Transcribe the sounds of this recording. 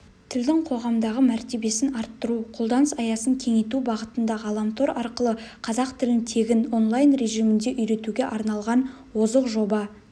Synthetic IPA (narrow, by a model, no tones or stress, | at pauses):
t̪ʰɪld̪ɪŋqʰo̞ʁɑmd̪ɑʁəmæɾt̪e̞be̞sɪnɑɾt̪ːəɾuqʰo̞lˠd̪ɑnəsɑjɑsəŋkʲʰe̞ŋe̞t̪ubɑʁət̪ənd̪ɑʁɑlˠɑmt̪ʰo̞ɾɑɾqəlˠəqʰɑzɑqt̪ʰɪlɪnt̪ʰe̞ɡʲɪno̞nlˠɑjnɾe̞ʒijmɪnd̪e̞ʔʏjɾe̞t̪uɡʲe̞ʔɑɾnɑlˠʁɑn | wo̞zəqʒo̞bɑ